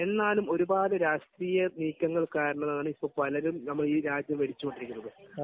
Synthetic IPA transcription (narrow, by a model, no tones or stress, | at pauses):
e̞nːaːlumo̞ɾubaːleɾaːʂʈriːjɐniːkʲːɐŋːɐɭkaːɾɐɳɐnaaːɳɨipːoːpɐlɐɾumnɐmːɐɭiːɾaːd͡ʑjɐmʋe̞ɽit͡ɕːukoɳɖiɾikʲːunːɐðɨ